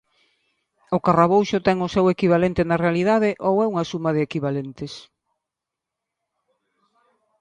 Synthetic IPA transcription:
ʊkaraβowʃʊt̪ɛŋʊsɛwekiβ̞alent̪ɪnarealið̞aðɪʔowɛuŋasumað̞ɪːkiβalent̪ɪs

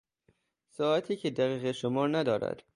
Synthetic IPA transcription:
sɒːæt̪ʰiːcʰed̪æɣiːɣeʃomɒːɾnæd̪ɒːɾæ̰d̪̥

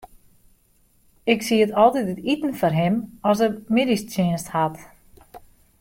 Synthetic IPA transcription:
ɪksiətɔlˠtitətitən̩fɔrɦɪmɔs̬əmɪdistɪənsthat

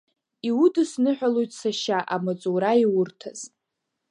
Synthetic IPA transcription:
iwudɨsnɨħʷᶣalo̞jtʼsaʃaʔamat͡sʼuɾaiwʊrtʰaz̥

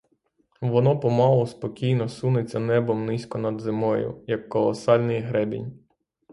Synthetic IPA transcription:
ʋɔnɔpɔmɑlˠɔspɔkʲijnɔsunet͡sʲːɐnɛbɔmnɪsʲkɔnɐd̪zɪmɔjʊ̰jɐkːɔlˠɔsɑlʲnɪjɦɾɛbʲḭnʲ

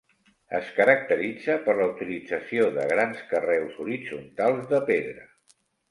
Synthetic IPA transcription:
əskəɾək̚t̪əɾid͡zəpəɾləut̪ili̥d͡zəsioðəɣ̞ɾanskərɛwzuɾid͡zunt̪alˠzðəpeðɾə

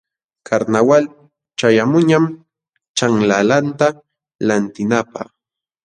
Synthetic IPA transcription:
kʰaɾnawal | t͡ʃajamʊɲam | t͡ʃaŋlalant̪a | lant̪ɪnapa̰χ

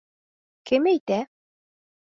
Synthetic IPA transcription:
kɘmæjt̪æ

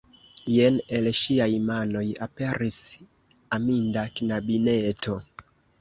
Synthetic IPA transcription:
jenelʃiajmano̞japeɾis | amindakinabinetʰo

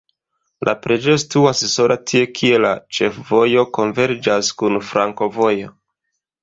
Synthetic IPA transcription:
lʔa̰pɾe̞d͡ʒejostuasso̞ɾʔatʰie̞kʰie̞lat͡ʃe̞fvo̞jo̞ko̞nve̞ɾd͡ʒaskunfɾʔaŋko̞vo̞jo̞

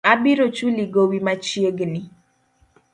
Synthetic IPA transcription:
abiɾot͡ʃuliɡowimat͡ʃjeɡni

